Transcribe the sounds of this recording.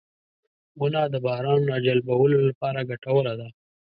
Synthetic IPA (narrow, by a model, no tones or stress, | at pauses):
wʊnɑd̪əbɑːɾɑnɾɑd͡ʒalbawəlolapɑɾaɡaʈawəlad̪a